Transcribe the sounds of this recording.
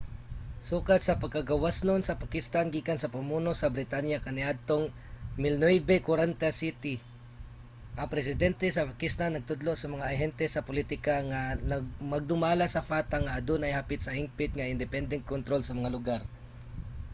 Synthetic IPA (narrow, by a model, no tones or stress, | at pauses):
suːkat̪̚sɐpɐɡ̚kɐɡɐwasnonsɐpakɪst̪anɡiːkansɐpɐmuːnosɐbɾɪt̪anjakɐnɛʔad̪̚t̪oŋ | mɪlnɛjbɛkoɾant̪asit̪ɪ | ʔɐpɾɛs̬ɪd̪ɛnt̪ɛsɐpakɪst̪anːɐɡ̚t̪ʊd̪loʔsɐmɐŋaʔɐɦɛnt̪ɛsɐpʊlit̪ɪkaŋanɐɡmɐɡ̚d̪ʊmaːlasɐfaːt̪aŋaʔɐd̪onɐjhapɪt̪̚sɐhɪmpɪt̪̚ŋɐʔɪnd̪ɛpɛnd̪ɛnt̪̚kont̪ɾolsɐmɐŋalʊɡaɾ